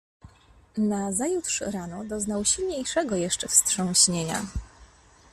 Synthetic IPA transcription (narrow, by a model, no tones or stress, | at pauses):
nazajut̪ʂɾanɔd̪ɔznawɕilɲejʂɛɡɔjɛʂt͡ʂɛfstʂɔ̃w̃ɕɲeɲa̰